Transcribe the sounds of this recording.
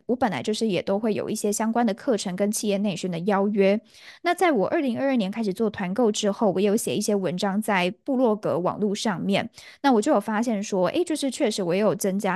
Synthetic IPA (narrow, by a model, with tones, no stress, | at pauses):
wɔ˧˥pə˨˩nla̰˧˦ɪt͡ɕjo˥˧ʊʂɻ̩˥˩jɛ˨˩t̪o˥ʊxwe˥˩ɪjo̰˨˩ʊi˥˩ɕjɛ˥ɕjɑ˥ŋkwa˥nd̪ə˨˩kʰɤ˥˩ʈ͡ʂʰɤ˧˥ŋkə˥nt͡ɕʰi˥˧jɛ˥˧ne˥˩ɪɕy˥nd̪ə˨˩jɑ˥ʊɥɛ˥ | na˥˧t͡sa˥˩ɪwɔ˨˩ʔə˞˥˩li˧˥ŋə˞˥˧ə˥˩njɛ˧˥nkʰa˥ɪʂɻ̩˨˩t͡swɔ˥˩t̪ʰwa˧˥nko˥˧ʊʈ͡ʂɻ̩˥xo˥˩ʊwɔ˧˥jɛ˨˧jo˧˥ʊɕjɛ̰˨˩i˥˩ɕjɛ˥wə˧˥nʈ͡ʂɑ˥ŋt͡sa˥˩ɪpu˥˧lwɔ˥˩kɤ̰˧˥wɑ̰˨˩ŋlu˥˧ʂɑ˥˧ŋmjɛ˥˩n | na˥˩wɔ˨˩t͡ɕjo˥˩ʊjo˨˩fa˥ɕjɛ˥˩nʂwɔ˥ʔḛ˥˩ɪt͡ɕjo˥˧ʊʂɻ̩˥˧t͡ɕʰɥɛ˥˩ʂɻ̩˧˥wɔ˨˩jɛ˧˥jo˨˩ʊt͡sə˦˥ŋt͡ɕja˥